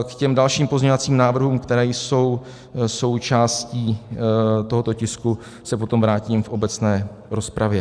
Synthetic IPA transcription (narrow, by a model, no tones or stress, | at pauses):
kcɛmdalʃiːmpo̞zɲeɲovat͡siːmnaːvr̩ɦuːmkt̪ɛɾɛːjso̞w | so̞wt͡ʃaːsciː | t̪o̞ɦot̪o̞cɪsku | sɛpo̞t̪o̞mvɾaːciːmfʔo̞bɛt͡snɛː | ɾo̞spɾʔavjɛ